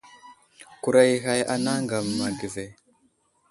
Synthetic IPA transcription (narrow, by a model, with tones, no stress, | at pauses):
ku˨ɾa˦i˨ɦa˦ja˦na˦ŋɡa˨mː˨a˨ɡi˨ve˨